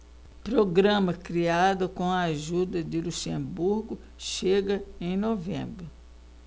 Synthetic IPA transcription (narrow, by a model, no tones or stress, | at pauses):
pɾoɡɾɐ̃mɐkɾiad̪ɐkõɐaʒud̪ɐd̪ɪluʃẽbuɾɡʊ | ʃeɡɐẽj̃novḛ̃bɾʊ